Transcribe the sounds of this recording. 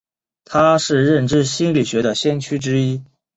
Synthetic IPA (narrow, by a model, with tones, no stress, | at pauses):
t̪ʰa˥ʂɻ̩˥˧ɻə˥˩nʈ͡ʂɻ̩˥ɕi˥nli˨˩ɕɥɛ˧˥d̪ə˨ɕjɛ˥nt͡ɕʰy˥ʈ͡ʂɻ̩˥i˥